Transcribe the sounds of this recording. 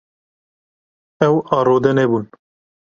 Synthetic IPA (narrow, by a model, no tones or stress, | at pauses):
ɛwɑːɾoːd̪ɛnɛbun